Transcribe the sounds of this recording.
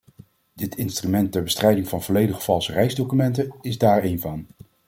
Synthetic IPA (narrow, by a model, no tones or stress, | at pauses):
d̥ɪtʰɪnstrymɛntːɛɹbəstrɛjdɪŋvɑnvɔlejdəχə̥vɑlˠsərɛjzdowkymɛntənɪzdaːɹejnvɑn